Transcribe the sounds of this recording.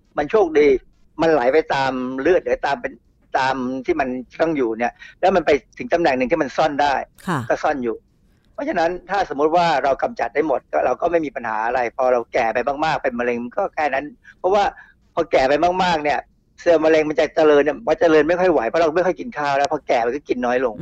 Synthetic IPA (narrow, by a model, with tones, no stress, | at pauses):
ma˧nt͡ɕʰu˥˩k̚diː˧ | ma˧nla˩˦jpa˧jt̪aː˧mlɯ˥˩ət̪̚lɯ˩˦t̪aː˧mpe˧n | t̪aː˧mt̪ʰiː˥˩ma˧nt͡ɕa˨˩t̪ɔ˥˩ŋjuː˨˩ni˥˩ɐlɛː˦˥wma˧npa˧jt̪ʰɯ˩˦ŋt̪a˧mnɛ˨˩ŋnɯ˨˩ŋt̪ʰiː˥˩ma˧nsɔ˥˩ndaː˥˩jkʰkɔː˥˩sɔ˥˩njuː˨˩ | pʰɔ˦˥t͡ɕʰa˧˥nːa˦˥nt̪ʰaː˥˩so˩˦mu˦˥t̪̚waː˥˩ɾa˧wka˧mt͡ɕa˨˩t̪̚daː˥˩jmo˨˩t̪̚kɔː˥˩ɾa˧wkɔː˥˩ma˥˩jmiː˧pa˧nha̰ː˩˦ʔa˧ɾa˧jpʰɔː˧ɾa˧wkɛː˨˩pa˧jmaː˥˩k̚maː˥˩k̚pe˧nma˧le˧ŋma˧nkɔː˥˩kʰɛː˥˩na˦˥npʰɔ˦˥waː˥˩ | pʰɔː˧kɛː˨˩pa˧jmaː˥˩k̚maː˥˩k̚ni˥˩ɐ | sɯ˧˩ma˧le˧ŋma˧nt͡ɕa˨˩t͡ɕa˧lɤː˧nːi˥˩paː˥˩t͡ɕa˧lɤː˧nma˥˩jkʰɔ˥˩jwa˩˦jpʰɔ˦˥ɾa˧m˥˩jkʰɔ˥˩jki˧nkʰaː˥˩wlɛ˦˥wpʰɔː˧kɛː˨˩a˧kɔː˥˩ki˧nːɔː˦˥jlo˧ŋ